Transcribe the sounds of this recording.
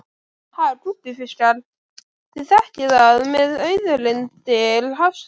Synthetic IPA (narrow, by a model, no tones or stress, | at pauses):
haðɛɾt̪ɾupːɪfɪskal | θiðθɛhcɪðaðmɛðœɥðʏlɪnt̪ɪlɦafs